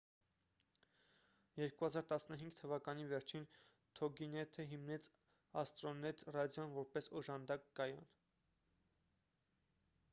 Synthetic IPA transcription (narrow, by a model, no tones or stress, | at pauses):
jɛɾkuhɑzɑɾt̪ɑsnəɦiŋɡt̪ʰəvɑkɑnivɛɾt͡ʃʰin | t̪ʰɔɡinɛt̪ʰəɦimnɛt͡s | ɑst̪ɾɔnɛt̪ʰrɑd̪jɔnvɔɾpɛsɔʒɑnd̪ɑkːɑjɑ̰n